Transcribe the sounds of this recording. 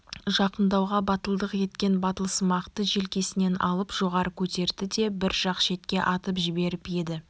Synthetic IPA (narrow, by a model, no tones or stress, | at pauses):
ʒɑqənd̪ɑwʁɑbɑt̪əlˠd̪əqje̞t̪kʲe̞nbɑt̪əlˠsəmɑqt̪əʒelkʲe̞sɪne̞nɑ̰lˠəpʒ̥o̞ʁɑɾəkʲʰɵt̪e̞ɾd̪ɪd̪e̞bɪɾʒ̥ɑqʃe̞t̪kʲe̞ʔɑt̪əpʒɪbe̞ɾɪpje̞d̪ɪ